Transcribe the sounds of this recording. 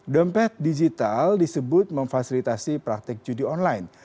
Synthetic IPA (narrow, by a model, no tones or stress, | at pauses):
dəmpɛt̪̚did͡ʒit̪aldisəbʊt̪̚məŋfasilit̪asipɾak̚t̪ɪk̚d͡ʒudiɔnlajn